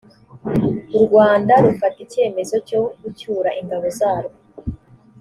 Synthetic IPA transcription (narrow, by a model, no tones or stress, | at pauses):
uɾɡwaːndaɾufatice̞ːme̞zo̞co̞ɡucuːɾaʔiŋɡaβo̞zaːɾo